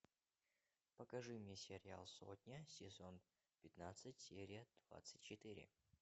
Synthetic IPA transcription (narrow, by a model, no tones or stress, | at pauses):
pəkɐʐɨmʲnʲesʲɪɾʲɪa̰lˠso̰t̪ʲnʲəsʲɪzon | pʲɪt̪nat̪sɨtʲsʲeɾʲɪjəd̪̥va̰t̪sɨtʲt͡ɕːɪt̪ɨɾʲɪ̰